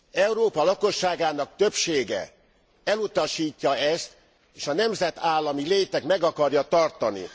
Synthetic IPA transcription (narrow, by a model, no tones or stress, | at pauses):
ɛwɾoːpɒlɒko̞ʃːaːɡaːnɒk̚t̪ø̞pʃeːɡɛ̰ | ɛlut̪ɒʃiːcːɒɛst̪ | eːʃɒnɛmzɛt̪aːlːɒmileːt̪ɛkmɛɡɒkɒrjɒt̪ɒrt̪ɒnḭ